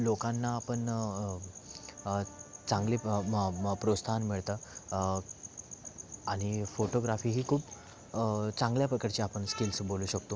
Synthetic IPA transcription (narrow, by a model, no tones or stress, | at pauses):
lokanːaːpəɳ | t͡sãŋɡli | pɾost̪ʰanmiɭt̪a | aɽ̃ifoʈoɡɾafiːɦiːkʰuːp | t͡sãŋɡljapɾəkaɾt͡ɕiapəɳskilsboluːɕək̚t̪o